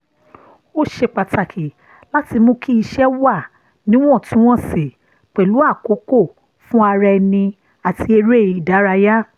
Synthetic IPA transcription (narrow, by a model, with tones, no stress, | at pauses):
o˦ʃe˧k͡pa˨ta˨kʰi˨ | la˦ti˧mõ˧kʰi˦i˧ʃɛ˦wa˦˨ | nĩ˦w̃ɔ̃˦˨tũ˦w̃ɔ̃˦˨se˨ | k͡pɛ˨lu˨˦a˦˨ko˨˦ko˦˨ | fũ˦a˧ɾɛ˧nĩ˧ | a˨tʰi˧e˧ɾe˦˨i˨da˨˦ɾa˧ja˦